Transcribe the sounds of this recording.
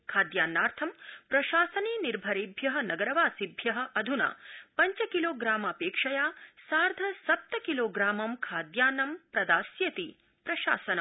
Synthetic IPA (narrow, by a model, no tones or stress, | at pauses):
kʰaːd̪jaːnːaːɾt̪ʰɐmpɾɐʃaːsɐneːniɾbʱɐɾiːbʱjɐɦɐnɐɡɐɾɐʋaːsibʱjɐɦɐ̆ʔɐd̪ʱuna̰ːpɐɲt͡ʃɐkiloːɡɾaːmɐpeːkʂɐjaːsaːɾd̪ʱɐsɐp̚t̪ɐkiloːɡɾaːmɐmkʰaːd̪jaːnːɐmpɾɐd̪aːsjɐt̪i | pɾɐʃa̰ːsɐnɐm